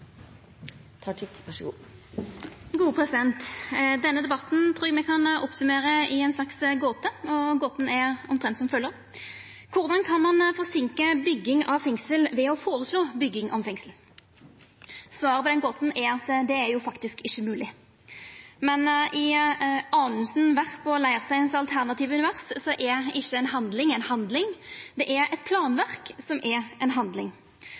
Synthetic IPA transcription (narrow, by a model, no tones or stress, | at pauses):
t̪ʰɑʈɪʋɑʂəɡṵː | ɡuːəpʰʁɛsɪd̪ɛnt̪d̪ɛnːəd̪ɛbɑt̪n̩t̪ʰʁuːmɛkʰɑnɔpsʉmeːɾəɪɛnslɑksɡoːt̪əɔɡoːt̪n̩ɛɾɔmt̪ʰʁɛnt̪sɔmfœlːəʁ | kʰʊʁd̪ɑnkʰɑnmɑnfɔʁsɪŋkəbʏɡːɪŋɑʋfɛŋsəlʋɛɔfoːʁəsloːbʏɡːɪŋʔɔmfɛŋsl | sʋɑːɾəpɔd̪ɛnɡoːt̪n̩ɛɾɑt̪d̪ɛæɾjʊfɑkt̪ɪskɪçːəmʉːlɪ | mɛnɪɑːnəsnʋæʁpʰɔlæɪʁəsæɪɛnsɑlt̪ʰæʁnɑt̪iːʋəʉnɪʋæʁssɔʔɛɪçːəɛnɦɑnd̪lɪŋɛɪnhɑnd̪lɪŋd̪ɛʔɛɾɛt̪̚pʰlɑːnʋæʁksɔmɛɛnɦɑnd̪lɪŋ